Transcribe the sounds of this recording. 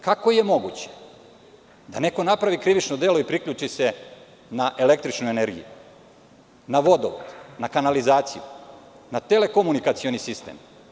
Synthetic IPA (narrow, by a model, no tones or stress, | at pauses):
kakojemo̞ɡṵt͡ɕe̥ | d̪ane̞ko̞napɾaʋikɾiʋit͡ʃnod̪eːloipɾikʎuːt͡ʃise̞ | naʔe̞le̞k̚t̪ɾit͡ʃnuje̞ne̞ɾɡḭjṵ | naʋo̞d̪oʋo̰d̪nakanalizaːt̪siju | nat̪ele̞ko̞munikat̪sio̞nisist̪ḛm